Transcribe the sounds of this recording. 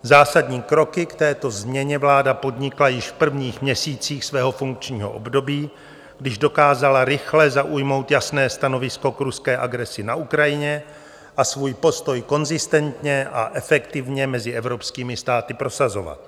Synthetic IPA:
zaːsadɲiːkɾo̞kɪkt̪ɛːt̪o̞zmɲɛɲɛvlaːdapo̞dɲɪklajɪʃfpr̩vɲiːxmɲɛsiːt͡siːxsvɛːɦo̞fuŋk̚t͡ʃɲiːɦo̞̰ʔo̰bdo̞biː | ɡdɪʒdo̞kaːzalaɾɪxlɛzaʔujmo̞wt̪jasnɛːst̪ano̞vɪsko̞kɾuskɛːʔaɡɾɛsɪnaʔukɾajɪɲɛ | ʔasvuːjpo̞st̪o̞jko̞nzɪst̪ɛnt̪ɲɛʔa̰ʔɛfɛkt̪ɪvɲɛmɛzɪʔɛvɾo̞pskiːmɪst̪aːt̪ɪpɾo̞sazo̞va̰t̪̚

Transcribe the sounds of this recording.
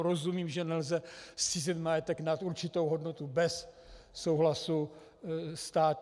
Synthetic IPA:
ɾozumiːmʒɛnɛlzɛsiːzɛt̪majɛt̪ɛknat̪uɾt͡ʃɪt̪o̞wɦo̞dno̞t̪ubɛsː | o̞wɦlasu | st̪aːt̪

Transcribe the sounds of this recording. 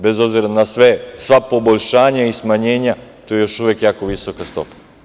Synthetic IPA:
bezo̞bziɾanasʋesʋapo̞boʎʃaːɲaismaɲeːɲat̪ojejoʃuʋekjaːkoʋisokast̪o̞̰pḁ

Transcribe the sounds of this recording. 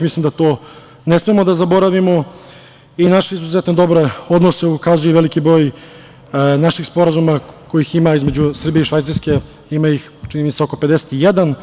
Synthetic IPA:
mislimd̪at̪oː | nesmemo̞d̪azabo̞ɾaʋimo̞ | inaʃeizuzet̪ned̪o̞bɾe̞o̞d̪nose̞ukazujeʋelikibɾo̞ːj | naʃixspo̞ɾazumako̞jiximaizme̞d͡ʑusr̩bijeiʃʋajt̪siɾskʲe̞ | imajix | t͡ʃinimit̪seo̞ko̞pe̞d̪ese̥t̪ijed̪an

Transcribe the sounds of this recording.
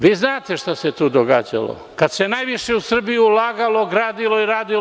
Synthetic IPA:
ʋiːznaːt̪e̞ʃt̪aset̪uːd̪oɡaːd͡ʒa̰lo̰ | kad̪senajʋiʃeusr̩bijuulaːɡalˠoɡɾaːd̪ilˠo̞iɾaːd̪il

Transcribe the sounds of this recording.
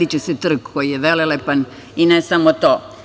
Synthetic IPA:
it͡ɕusɛt̪r̩kkojijeʋelelepan | inesamot̪oː

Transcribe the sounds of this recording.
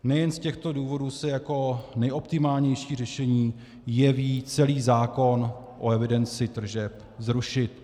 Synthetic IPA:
nɛjɛnscɛxt̪o̞duːvo̞duːsɛjako̞nɛjo̞pt̪ɪmaːlɲɛjʃiːr̝ɛʃɛɲiː | jɛviːt͡sɛliːzaːko̞n | ʔoɛvɪdɛnt͡sɪt̪r̩ʒɛp | zɾuʃɪt̪̚

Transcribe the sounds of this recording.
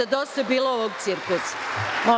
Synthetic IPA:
ad̪ost̪abiːlooʋoɡ̚t̪siɾkusmo

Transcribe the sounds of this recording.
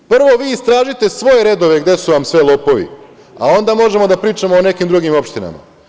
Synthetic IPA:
pr̩ʋo̞ʋiːst̪ɾaːʒit̪e̞sʋo̞je̞ɾe̞d̪o̞ʋe̞ɡd̪e̞suʋamsʋe̞lˠo̞ːpo̞ʋḭ | a̰o̞nd̪amo̞ʒe̞mo̞d̪apɾiːt͡ʃamo̞ːne̞kimd̪ɾuɡimo̞pʃt̪ina̰ma̰

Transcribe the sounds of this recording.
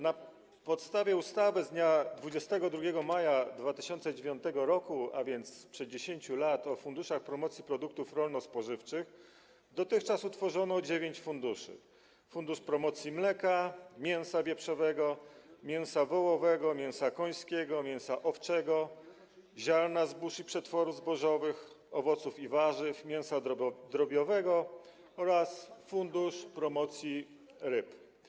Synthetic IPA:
na | pɔt̪st̪avʲjɛust̪avɘzd̪ɲad̪vud͡ʑɛst̪ɛɡɔd̪ɾuɡʲɛɡɔmajad̪vat̪ɘɕɔnt̪sɛd͡ʑevʲjɔ̃nt̪ɛɡɔɾɔkua̰vʲjɛnt̪spʂɛd̪̚d͡ʑeɕeɲt͡ɕulat̪ɔfund̪uʂaxpɾɔmɔt̪sʲjipɾɔd̪uk̚t̪ufɾɔlnɔspɔʐɘft͡ʂɘx | d̪ɔt̪ɘxt͡ʂasut̪fɔʐɔnɔd͡ʑevʲjeɲt͡ɕfund̪uʂɘ̰ | fund̪uʂpɾɔmɔt̪sʲjimlɛkamʲjɛ̃w̃savʲjɛpʂɔvɛɡɔmʲjɛ̃w̃savɔwɔvɛɡɔmʲjɛ̃w̃sakɔj̃skʲɛɡɔmʲjɛ̃w̃saʔɔft͡ʂɛɡɔ | ʑaɾnazbuʂipʂɛt̪fɔɾuvzbɔʐɔvɘx | ɔvɔt̪sufivaʐɘfmʲjɛw̃sad̪ɾɔbʲjɔvɛɡɔ | ɔɾasfund̪uʂpɾɔmɔt̪sʲji | ɾɘp

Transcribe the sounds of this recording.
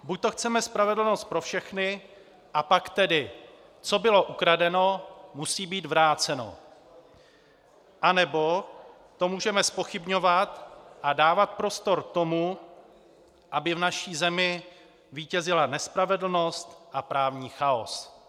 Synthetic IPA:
buc̚t̪o̞xt͡sɛmɛspɾavɛdl̩no̞st̪̚pɾo̞fʃɛxnɪ | ʔapakt̪ɛdɪ | t͡so̞bɪlo̞ʔukɾadɛno̞musiːbiːd̪vɾaːt͡sɛno̰ | ʔanɛbo̞ | t̪o̞muːʒɛmɛspo̞xɪbɲo̞vat̪ʔadaːvat̪̚pɾo̞st̪o̞ɾt̪o̞mu | ʔabɪvnaʃiːzɛmɪ | viːcɛzɪlanɛspɾavɛdl̩no̞st̪ʔapɾaːvɲiːxaos

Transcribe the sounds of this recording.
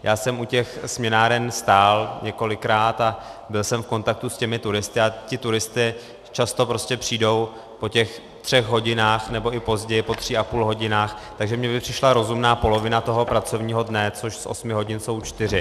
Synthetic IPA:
jʔaːsɛmucɛxsmɲɛnaːɾɛnst̪aːlɲɛko̞lɪkɾaːt̪abɪlsɛmfko̞nt̪ak̚t̪uscɛmɪt̪uɾɪst̪ɪacɪt̪uɾɪst̪ɪ | t͡ʃast̪o̞pɾo̞scɛpr̥iːdo̞w | po̞cɛx | t̪r̝̥ɛɣɦo̞ɟɪnaːxnɛbo̞ʔɪpo̞zɟɛjɪpo̞t̪r̝̥iapuːlɦo̞ɟɪnaːxt̪aɡʒɛmɲɛbɪpr̥ɪʃlaɾo̞zumnaːpo̞lo̞vɪnat̪o̞ɦo̞pɾat͡so̞vɲiːɦo̞dnɛt͡so̞ʃsʔo̰smɪɦo̞ɟɪnso̞wt͡ʃt̪ɪr̝ɪ

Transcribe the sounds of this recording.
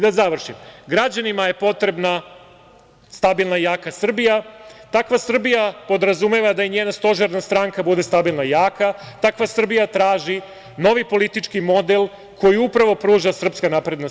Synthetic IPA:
d̪azaʋr̩ʃimɡɾad͡ʑanimaje̞po̞t̪ɾe̞bna | st̪abilˠnajaːkasr̩bijat̪akʋasr̩bijapo̞d̪ɾazumeʋad̪aiɲeːnast̪o̞ʒeɾnast̪ɾaŋkabud̪e̞st̪abilˠnajaːkat̪akʋasr̩bijat̪ɾaːʒi | no̞ʋipo̞lit̪it͡ʂkimo̞d̪elˠ | kʰo̞jiupɾaʋo̞pɾuːʒasr̩pskanapɾe̞d̪nos

